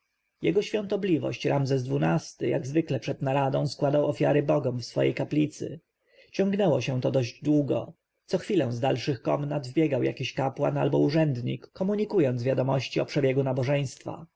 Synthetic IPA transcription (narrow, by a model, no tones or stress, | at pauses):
jɛɡɔɕfʲjɔ̃nt̪ɔblʲivɔ̰ɕt͡ɕɾʔamzɛzd̪vunast̪ɘja̰ɡzvɘklɛpʂɛd̪naɾad̪ɔ̃w̃skwad̪awɔfʲjaɾɘbɔɡɔmfsfɔ̰jḛjkaplʲit̪sɘ̰ | t͡ɕɔ̃ŋɡnɛwɔɕɛ̃t̪ɔd̪ɔʑd͡ʑd̪wuɡɔ̰ | t̪sɔxfʲilɛw̃zd̪alʂɘxkɔmnad̪vbʲjɛɡawja̰kʲiɕkapwa̰na̰lbɔuʐɛnd̪ɲḭkːɔmuɲikujɔnd̪zvʲjad̪ɔmɔɕt͡ɕiɔpʂɛbʲjɛɡunabɔʐɛj̃st̪fa̰